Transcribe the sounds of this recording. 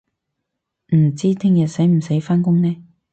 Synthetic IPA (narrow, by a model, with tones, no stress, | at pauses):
m̩˨˩t͡siː˥t̪ʰɪ˥ŋjɐ˨t̚se˨˥jm̩˨˩se˨˥jfaː˥nkʊ˥ŋnɛː˥